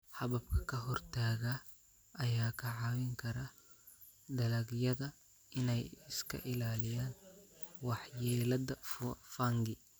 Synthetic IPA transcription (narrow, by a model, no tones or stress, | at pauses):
hɐβɐb̚kʰɐ̥kʰɐɦɔrt̪ʰaːɣa | ʔɐjaːkʰɐʕɑwɪŋkʰɐɾɐ | d̪ɐlɐɡjɐðɐ | ɪnɛjɪskʰɐ̰ʔɪlaːlɪjaːnwɑħjɛːlɐdɐffaŋɡɪ